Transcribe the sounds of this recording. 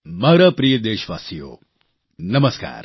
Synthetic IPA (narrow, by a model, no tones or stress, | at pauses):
maːɾɐpɾijəd̪eːʃʋaːsijo̰ː | nɐmɐska̰ːɾ